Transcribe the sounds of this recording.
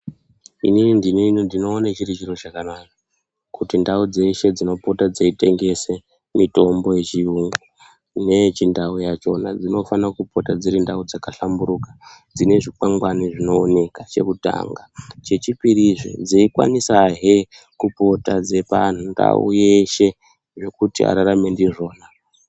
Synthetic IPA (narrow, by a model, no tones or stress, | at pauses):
ḭninindininindino̞ːnat͡ʃirit͡ʃiro̞t͡ʃakanaka | kutindaud͡ze̞ʃe̞d͡zino̞po̞tad͡zeite̞ŋɡe̞se | mito̞mbo̞je̞t͡ʃiuŋɡo | ne̞t͡ʃindaujat͡ʃo̞nad͡zino̞fanakupo̞tad͡ziɾindaud͡zakaɬambuɾukad͡zine̞ʐikaŋɡwaniʐino̞ːne̞kat͡ʃe̞̰kuta̰ŋɡat͡ʃe̞t͡ʃipiɾiʐḛd͡ziikwa̰nisaɦe | kupo̞tad͡ze̞pan̤unda̰ṵjeʃe̞ | ʐe̞kutia̰ɾaɾame̞ndiʐo̞ːna